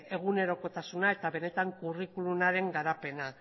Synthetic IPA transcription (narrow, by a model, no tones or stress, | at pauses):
e̞ɣ̞une̞ɾo̞ko̞t̪asunae̞t̪aβe̞ne̞t̪aŋkurikulunaɾe̞ŋɡaɾape̞na